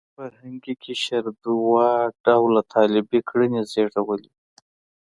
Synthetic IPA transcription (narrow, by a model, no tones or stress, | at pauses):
faɾhaŋɡikʰeʃaɾd̪uwɑɖawlat̪ʰɑlɪbekɽənezeɽawəli